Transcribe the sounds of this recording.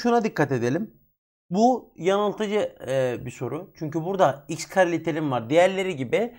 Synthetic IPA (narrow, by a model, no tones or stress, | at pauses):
ʃunad̪ikʰːat̪e̞d̪e̞lʲim | bujanalˠt̪ʰad͡ʒɯbiso̞ɾut͡ʃʰyɲcybuɾd̪aicskʰaɾlʲit̪ʰelʲimvaɾd̪ejæɾlʲe̞ɾiɟibi